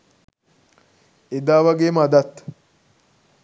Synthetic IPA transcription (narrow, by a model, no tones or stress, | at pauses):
ed̪aːʋɐɡeːmad̪ɐt̪ːɐ̥